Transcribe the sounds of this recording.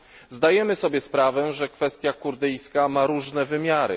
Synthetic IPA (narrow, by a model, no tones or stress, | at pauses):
zd̪ajɛmɘsɔbʲjɛspɾavɛʐɛkfɛst̪ʲjakuɾd̪ɘjskamaɾuʐnɛvɘmʲjaɾɘ̰